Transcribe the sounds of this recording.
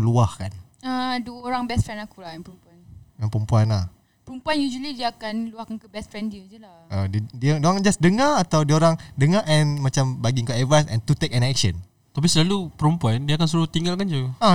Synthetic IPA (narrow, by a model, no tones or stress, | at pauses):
luahkan | aduəoɾaŋbɛst̪fɾɛnakulajanpəɾumpuanjaŋpəɾəmpuanlah | pəɾumpuanjud͡ʒuəlidiaːkanluahkankəbɛstfɾɛndiəd͡ʒəla | ʔədidiadiakand͡ʒasdəŋaat̪awdiəoɾaŋdəŋaʔɛ̃nmãt͡ʃambaɡiŋkaɛvasɛ̰̃nt̪ut̪ekɛnɛkʃə̃n | t̪ap̬isəlalupəɾumpuandiakansuɾuht̪iŋɡalkand͡ʒua